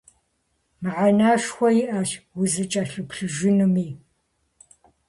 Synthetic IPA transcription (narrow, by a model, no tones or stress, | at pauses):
mɨʁɐnaːʃxʷɔjɪʔɐɕwʊzɨt͡ʃʼɐɬɨpɬɨʒɪnɨmiː